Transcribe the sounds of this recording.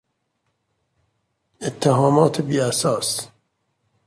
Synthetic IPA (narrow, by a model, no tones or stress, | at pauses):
et̪ʰːeɦɒːmɒːt̪ʰebiːæsɒːs